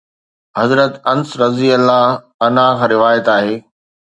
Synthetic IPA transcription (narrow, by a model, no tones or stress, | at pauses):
hɐzɾət̪ɐnsɾɐziəlːa | ɐnakʰãːɾɪʋaːjət̪aːɦeː